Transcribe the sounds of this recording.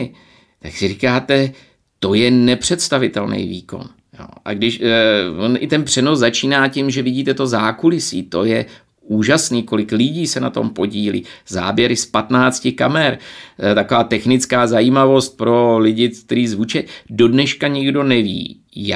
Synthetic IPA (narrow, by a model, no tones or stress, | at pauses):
t̪aksɪrikaːt̪ɛ | t̪o̞jɛnɛpr̥ɛt̪st̪avɪt̪ɛlnɛ̰jvḭːko̞̰n | jo̰ʔa̰ɡdɪʃvonʔɪt̪ɛnpr̥ɛnozzat͡ʃiːnaːcɪmʒɛvɪɟiːt̪ɛt̪o̞zaːkulɪsḭːt̪o̞jɛ | ʔuːʒasniːko̞lɪklɪɟiːsɛna̰t̪o̞̰mpo̞ɟiːlḭːza̰ːbjɛɾɪspat̪naːt͡scɪkamɛɾt̪ako̞vaːt̪ɛxnɪt͡skaːzajiːmavo̞st̪̚pɾo̞lɪɟɪk̚t̪ɛɾiːzvut͡ʃɛdo̞dnɛʃkaɲɪɡdo̞nɛvḭː | j